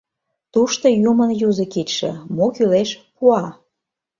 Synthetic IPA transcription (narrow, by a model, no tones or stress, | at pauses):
t̪uʃt̪ojumənjuzə̆kitʲʃḛ̆mokyleʃpuɑ